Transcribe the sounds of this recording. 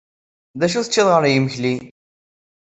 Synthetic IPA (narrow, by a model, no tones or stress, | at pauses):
ðæʃ̬uθət͡ʃːiðʁəɾjəməçli